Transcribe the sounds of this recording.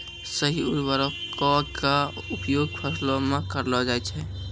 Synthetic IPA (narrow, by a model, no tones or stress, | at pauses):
səɦiʊɾʋəɾɔkɔka | ʊpjoːɡ̚pʰəslomekəɾlɔd͡ʒaɛt͡ʃʰɛ